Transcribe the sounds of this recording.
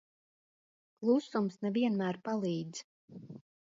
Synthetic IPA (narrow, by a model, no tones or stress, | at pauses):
klˠusumsnɛviɛnmæːɾpalˠiːd̪z̥